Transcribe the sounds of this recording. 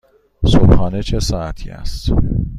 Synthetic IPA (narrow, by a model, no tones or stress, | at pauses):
sobhɒːne̞t͡ʃʰe̞sɒːæt̪ʰḭːæ̰st̪